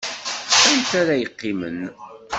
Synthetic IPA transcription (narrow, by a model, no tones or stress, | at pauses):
ænt̪æɾæjəqːimə̰n